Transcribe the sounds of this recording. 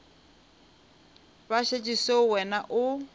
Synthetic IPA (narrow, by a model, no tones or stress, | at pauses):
baʃet͡ʃʼisewɛnaʔʊ